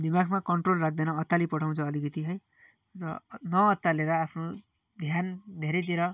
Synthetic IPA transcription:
d̪imaɡʰʱmakʌɳʈrolrak̚ʰd̪enʌːt̪ːalipʌʈʰaw̃t͡sʰʌːlikʌt̪iɦʌj | rʌnʌːt̪ːaleɾʌapʰno | d̪ʱjand̪ʱeɾʌjt̪iɾʌ

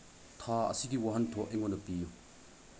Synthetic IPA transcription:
t̪ʰaːɐ̰sikiwaɦɐnt̪ʰɔʔeŋɔnɐpiju

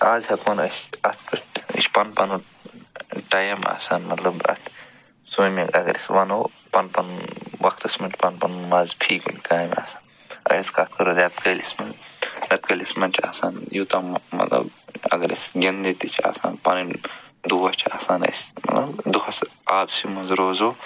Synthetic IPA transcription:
aːzʲhɐkoːnɐsɐt̪ʰkɨʈḭt͡ʃʰpɐnpɐnu | ʈajɐma̰ːsaːnmɐt̪lɐbɐ̰t̪ʰ | suːmiɡɐ̰ɡɐ̰ɾḭsʋɐnoː | pɐnpɐnʋɐkʰt̪ɐsmɐʈpɐnpɐnumaːzpʰiːkṵnkaːma̰ːsaːn | ɐ̰iskɐt̪̚ʰkɐɾoɾɐt̪kɐlismɐnɾʲɐt̪̚kɐlismɐnt͡ʃʰa̰ːsaːnjut̪ɐmɐ̰t̪lɐ̰bɐ̰ɡɐɾḭsɡʲend̪it̪it͡ʃʰa̰ːsa̰ːnpɐnind̪uːɐt͡ʃʰaːsaːnɐ̰smɐ̰t̪lɐbd̪uhʰɐsaːbsimɐnzɾoːzoː

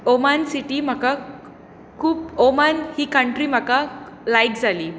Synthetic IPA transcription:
omansiʈiːm̤aka | kʰuːpomanhiːkəɳʈɾiːm̤aka | lajkd͡zʱaliː

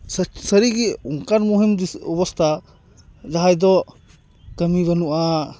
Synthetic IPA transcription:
ssəɾiɡiuŋkaɾmuɦimdiɔbɔst̪ʰa | zaɦajd̪ɔ | kəmibanuʔa

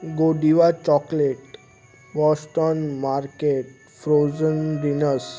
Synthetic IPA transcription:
ɡoɖiʋat͡ɕɔkleʈ | bɔsʈənmaɾkeʈ | fɾozənɖinəs

